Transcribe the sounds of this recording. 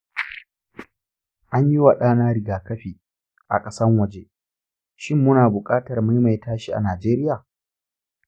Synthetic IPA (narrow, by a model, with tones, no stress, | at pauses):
ʔa˦ɲji˦wɐ˨ɗaː˦naː˦ɽɪ˨˦ɡaː˨kɐ˦ɸiː˨ | ʔa̰˨kʼɐ˦sɐ˦ŋwɐ˦˨d͡ʒe˦ | ʃɪ˦mːʊ˦naː˨bʊ˨kʼaː˦tɐ˨rma˦jma˨jtaː˦ʃi˦ʔa̰˨naː˨d͡ʒeː˦ɾɪ˦jaː˨